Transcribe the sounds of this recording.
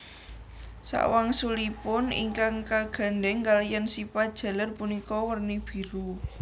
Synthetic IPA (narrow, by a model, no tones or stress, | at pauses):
sa̰ʔwaŋsulipʊnḭŋkaŋkaɡ̥a̤nɖɛŋɡalijansipad̥ʒ̥a̤lərpunikɔwərnib̥i̤ɾu